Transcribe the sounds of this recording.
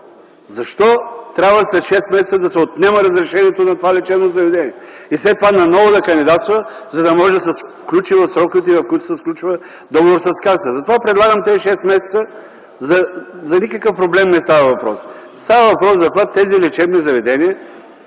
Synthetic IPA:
zɐʃt̪ɔt̪ɾʲabvəslɛʃɛst̪mɛsɛt̪səd̪ɐsɛot̪nɛməɾɐzɾɛʃɛniɛt̪onɐt̪ovalɛt͡ʃɛbnozɐvɛd̪ɛnʲiɛislɛt̪ːovanɐnɔvod̪ɐkɐnd̪id̪at̪st̪vɐzɐd̪ɐmɔʒɛd̪ɐsɛfklʲut͡ʃivɐfsɾɔkt̪ivɐfkujit̪ʊ̥sɛsklʲut͡ʃivə | d̪ɔɡovoɾsɐskazt̪əzɐt̪ovapɾɛd̪lˠaɡəmt̪ɛziʃɛst̪mɛsɛt̪sə | zɐzɐnikəkəfpɾoblɛmnɛst̪avəvɐpɾɔ̰s | st̪avəvɐpɾɔszɐpvat̪ːɛzilɛt͡ʃɛbnizɐvɛd̪ɛniɛ

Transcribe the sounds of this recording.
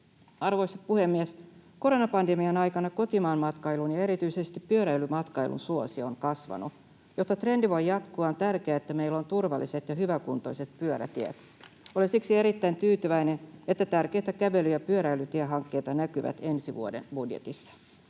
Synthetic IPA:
ɑrʋo̞isɑtpuhe̞mːiesko̞ɾonɑpɑndemiɑnɑjkɑnɑko̞t̪imɑːnmɑt̪kɑjlunjɑe̞ɾit̪yisest̪ipːyøɾæilymɑt̪kɑjlʔṵnsuosioŋkɑsʋɑ̰nu | jot̪ːɑt̪re̞ndiʋo̞jjɑt̪kuɑont̪ærkeæet̪ːæmeilːo̞nt̪urʋɑ̰lːiset̪jɑɦyʋækunt̪o̞̰iset̪pyøɾæ̰t̪iæ̰t̪ | olesiksie̞ɾit̪ːæint̪yːt̪yʋæinenet̪ːæt̪ærk̟e̞jt̪ækæʋe̞lyjɑpyøɾæjlyt̪iæɦɑŋkːe̞ːt̪ɑnækyʋæ̰t̪e̞nsiʋuodḛnbudjḛt̪isːɑ̥

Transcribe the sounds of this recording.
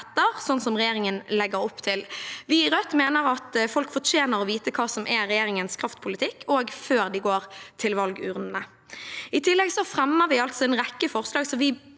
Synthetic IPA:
t̪ːəʁsɔnsɔmʁɛjeːʁɪŋənlɛɡəɾɔpːt̪ʰɪlʋɪɾœt̪ːmeːnəɾɑt̪fɔlkfɔt͡ʃeːnəɾɔʋiːt̪əkʰɑːsɔmʔɛɾɛjeːɾɪŋənskʰɾɑft̪pʰʊlɪt̪ʰɪkːʰoːɡføːʁd̪ɪɡoːɾt̪ʰɪlʋɑlɡʉːʁnnə | ɪt̪ʰɪlːɛɡsɔfɾɛmːəʁʋɪɑlt̪sɔɛnʁɛkːəfɔʁslɑːɡsɔʋɪ

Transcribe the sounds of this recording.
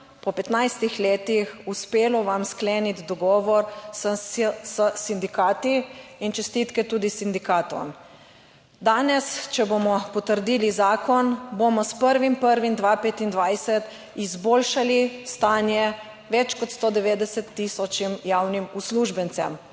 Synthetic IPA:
pɔpɛt̪najst̪ixleːt̪ixuspeːlɔʋamskleːnit̪d̪ɔɡɔːʋɔɾssəsind̪ikaːt̪iint͡ʃɛst̪it̪kɛt̪uːd̪isind̪ikaːt̪ɔ̰m | d̪aːnɛst͡ʃɛbomɔpɔt̪əɾd̪iːlizaːkɔnbomɔspəɾʋimpəɾʋind̪ʋaːpeːt̪ind̪ʋajsɛt̪ | izboːlʃalist̪aːnjɛ | ʋɛt͡ʃkɔt̪st̪oːd̪ɛʋeːd̪ɛsɛt̪ːisɔt͡ʃimjawnimusluːʒbɛnt̪sɛ̰m

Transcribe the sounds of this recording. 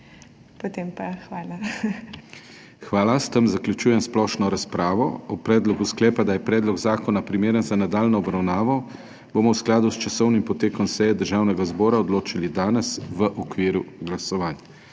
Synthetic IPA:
pot̪empaxʋaːla | xʋaːlast̪əmzaklʲjut͡ʃuːjɛmsplɔʃnɔɾaspɾaːʋɔɔpɾɛːd̪lɔɡusklɛːpad̪ajɛpɾɛːd̪lɔɡzaːkɔnapɾimeːɾənzanad̪aːlnɔɔbɾawnaːʋɔ | bomɔwsklaːd̪ust͡ʃasɔwnimpɔt̪eːkɔmsɛjɛd̪əɾʒaːwnɛɡazbɔːɾaɔd̪loːt͡ʃilid̪aːnɛsʋəʔɔkʋiːɾuɡlasɔʋaːnja

